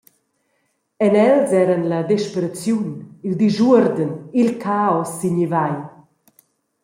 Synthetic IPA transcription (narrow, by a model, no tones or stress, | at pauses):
ɛnɛlzɛːɾənlɐd̪ɛʃpeɾat͡sjunild̪iʒuəɾd̪ənilkʰaːɔsːiɲivaj